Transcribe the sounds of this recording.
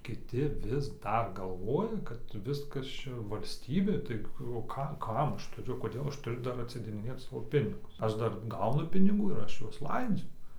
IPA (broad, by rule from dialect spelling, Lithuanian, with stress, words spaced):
kʲɪˈtʲɪ ʋʲɪs ˈdɐr ɡɐlˠˈʋoːjɛ kɐt ˈʋʲɪskɐs ˈt͡ʃʲɛ ʋɐlʲsʲˈtʲiːbʲeː ˈtɐɪ oː ˈkɐ ˈkɐm ˈɐʃ tʊˈrʲʊ koːˈdʲeːlˠ ˈɐʃ tʊˈrʲʊ ˈdɐr ɐtʲsʲɪdʲeːdʲɪˈnʲeːt ˈsɑːʋoː ˈpʲɪnʲɪɡʊs ˈɐʃ ˈdɐr ˈɡɐʊnʊ pʲɪnʲɪˈɡuː ɪr ˈɐʃ ˈjuɔs ˈlˠɐɪd͡zʲʊ